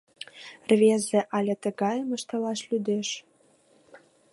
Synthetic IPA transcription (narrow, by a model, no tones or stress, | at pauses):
rvʲezĕʔɑlʲet̪ə̆ɣɑjmə̆ʃt̪ɤ̆lɑʃlʲyd̪eʃ